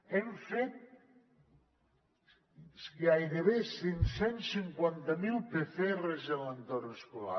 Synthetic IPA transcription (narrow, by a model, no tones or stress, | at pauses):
eɱfet̪̚ | skeajðeβesinsɛnsiŋkwant̪amilˠpeθeɛrezelənt̪oɾneskula̰